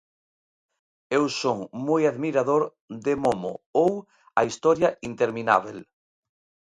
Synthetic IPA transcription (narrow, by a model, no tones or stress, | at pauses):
ewsoŋmojaðmiɾaðoɾ | ðemomo̰ow | aist̪ɔɾjaint̪eɾmina̰β̞el